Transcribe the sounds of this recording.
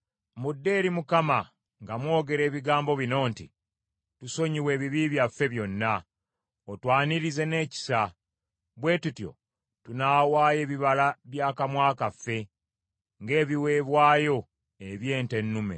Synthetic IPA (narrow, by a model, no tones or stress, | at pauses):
mudːe̞ːɾimukama | ŋɡamwo̞ːɡe̞ɾe̞ːβiɡaːmbo̞βino̞ːntḭ | tuso̞ɲiwe̞ːβiβiβjafːe̞βjo̞nːa | otwaːniɾize̞ne̞ːci̥sa | βwe̞ːtutjo̞̰ | tunaːwaːje̞ːβiβalaβjaːkamwaːkafːe̞ | ŋɡe̞ːβiwe̞ːβwaːjo̞ | eβje̞ːnte̞nːume̞̰